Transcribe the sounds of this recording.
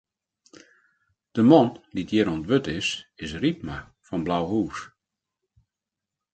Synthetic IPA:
d̥əmɔndidjɪːɾɔntbøtɪsɪsrip̚ma | fɔnblawɦuːs

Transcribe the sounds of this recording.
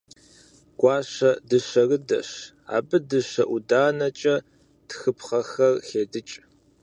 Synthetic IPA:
ɡ̥ʷɑːɕɐdɨɕɐrɨdɐ̰ɕ | a̰ːbɨdɨɕɐʔʷudaːnɐt͡ʃʼɐ | txɨpχɐxɐrxeːdɨt͡ʃʼ

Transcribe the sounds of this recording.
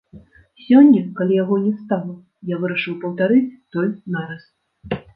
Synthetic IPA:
sʲɔnʲːɐkalʲijaɣɔnʲɛst̪alˠɐ | javɨɾɐʂɨwpɐwt̪aɾɨt͡sʲt̪ɔlʲnaɾɐs

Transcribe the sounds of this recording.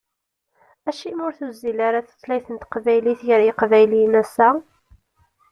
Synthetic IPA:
æʃimʊɾθuzilaɾaθə̥t͡sːlæjθənt̪qvæjliθjəɾiqvæjlinæsæ

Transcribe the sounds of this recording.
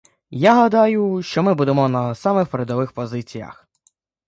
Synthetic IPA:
jaɦɐd̪ɑjʊʃt͡ʃɔmɪbud̪emɔnɐsɑmɪxpɾed̪ɔʋɪxpɔzɪt͡sʲijɐ̰x

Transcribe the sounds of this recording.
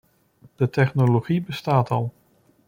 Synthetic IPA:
d̥ətɛχnoloχibəstaːtɑlˠ

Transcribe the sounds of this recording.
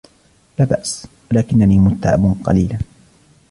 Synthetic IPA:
laːbaʔswalaːkɪnːaniːmʊt̪ːa̰ʕɪ̰bnqɑ̰liːlaː

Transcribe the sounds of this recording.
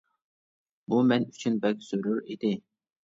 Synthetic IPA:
bumɛny̥t͡ʃʰynbɛk̚ʲz̥øɾyɾid̪ɪ

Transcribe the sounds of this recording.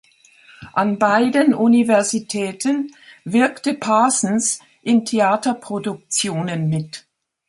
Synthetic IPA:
ʔanbaɪdənʔunivɛɐzitʰɛːtʰənvɪɐktəpʰaːsn̩s | ʔɪntʰeaːtɐpʁ̥odʊk̚t͡sjoːnənmɪt

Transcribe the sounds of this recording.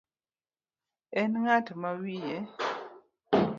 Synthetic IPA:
ɛnŋatmawijɛ

